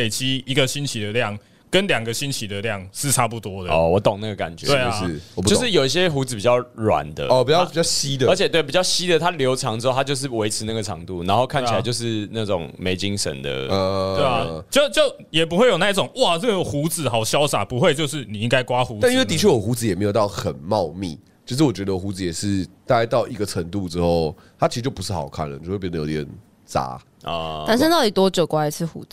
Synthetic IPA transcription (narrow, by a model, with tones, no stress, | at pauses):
e˨˩ɪt͡ɕi˦˥i˧˥ɡə˨ɕi˦nt͡ɕʰi˨˩d̪ə˨ljɑ˥˨˩ŋ | kə˦nljɑ˨˩ŋɡə˩ɕi˦˥nt͡ɕʰi˨d̪ə˨ljɑ˥˨˩ŋʂ̩˥˩ʈ͡ʂʰa˥pu˥˧˩t̪wɔ˦d̪ə˨ɔ˩wɔ˨˦t̪o˨˩ŋna˥˩ɡə˩ka̰˨˩nt͡ɕɥɛ̰˧t̪we˥˩a˧˥˧o˥ʊʂɻ̩˥˩jo˨˩ʊi˥˩ɕ̬jɛ˦xu˧˥d͡z̩˨pi˨t͡ɕjɑ˥˩ʊɻwa̰˨˩nd̪ə̰˦ɔ˨pi˨˩ɑ˥˩˨pi˨˩ɑ˥˩ɕi˦˥t̪ə˧ə˧˦t͡ɕʰɛ˨˩t̪we˥˩ɪpi˨t͡ɕɑ˥˩ɕi˦˥d̪ə˨t̪ʰa˦ljo˧˥ʊʈ͡ʂʰɑ˧˦ŋt͡sɻ̩˧˥o˥˧a˥t͡ɕjo˥˧ʊʂ̬ɻ̩˥˩we˧˥ɪʈ͡ʂʰɻ̩˧˥na˥˩ɡə˩ʈ͡ʂʰɑ̰˧˦ŋt̪u˥˨na˧˦nxo˥˧ʊkʰa˥˩nia˨a˧˦t͡ɕo˥˧ʊʂ̬ɻ̩˥˧na˥˩ʈ͡ʂo̰˨˩ŋme˨˥ɪt͡ɕi˦ŋʂə̰˨˩nd̪ə̰˩˧t̪we˥˩a˨˩t͡ɕo˥˨ʊt͡ɕjo˥˨ʊ | jɛ˨˩p̬u˧˥xwe˥˩jo˨˩ʊn˥˧i˥˩ʈ͡ʂo˨˩ŋwa˥˨nə˥˩˨jo˨˩xu˧˥d͡z̩˨˩˦xɑ˨˩ʊɕjɑ˥ʊsa̰˨˩pu˧˦xwe˥˧t͡ɕjo˥˧ʊʂ̬̩˥˩ni˨˩i˦˥ŋka˥ɪkwa˥xu˧˥a˥n˥wt̪i˧t͡ɕʰɥɛ˥˨jo˨˩xu˧˥d͡z̩˨jɛ˨˩me˧˥jo˨˩t̪ɑ˥˩ʊxə˨˩nmɑ˥˧ʊmḭ˥˨ | t͡ɕʰo˥ʂ̬̩˥˩wɔ˨˩t͡ɕɥɛ˧˦d̪ə˧˨xu˧˥d͡zɹ̩˨˧jɛ˨˩ʂɻ̩˥˧t̪a˥˧ka˥ɪt̪ɑ˥˩ʊʔi˨˦ɡə˨ʈ͡ʂʰə˧˥ŋt̪u˥˨ʈ͡ʂɻ̩˥xo˥˩ʊ | t̪ʰa˥t͡ɕʰi˧t͡ɕjo˥˩pu˧˥ʂɻ̩˥˩xɑ̰˨˩ʊkʰa̰˥˩nlə̰˩i˨˥˧e˥˩˧jo˧˩˥ə˨˩n | t͡sa̰˦˥ | ɔ˨˩a˥˧nʂɻ̩˥˧t̪ɑ˥˩ʊt̪i˨˩t̪wɔ˥t͡ɕjo˨ʊkwa˥i˨˧sʰɹ̩˥˩xṵ˧˥d͡z̩˨